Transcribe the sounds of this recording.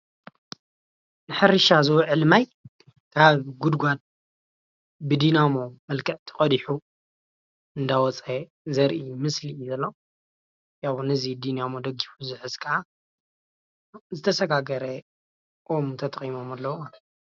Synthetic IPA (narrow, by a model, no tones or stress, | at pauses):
nɨħɨɾɨʃazɐwʕɨlmaj | kʰaβɡud̪ɡʷat̪̚ | bɨd̪inamo̞mɐlkʰɐʕt̪ʰɨqʼɐd̪iħu | ɨnd̪awɔt͡sʼe | zɐɾʔimɨslizɐlːɐ | jaβnɨzid̪inamo̞d̪ɐɡifuzɨħɨzkʰɐʔa | zɨt̪ʰɐsɐɡaɡɐɾɐ | ʔomt̪ʰɐt̪ʼχʼimo̞malːɐw